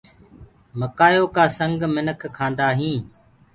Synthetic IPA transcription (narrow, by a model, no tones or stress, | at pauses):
məkaːjoːkaːsə̃ŋɡmɪnəkʰkʰːãːnd̪aːɦĩː